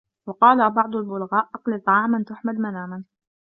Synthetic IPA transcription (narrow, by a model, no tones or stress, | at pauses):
wɑqɑːlabɑʕd̪ˤʊalbʊlɣaːʔʔɑqlit̪ˤɑʕɑːmant̪ʊħmalmanaːman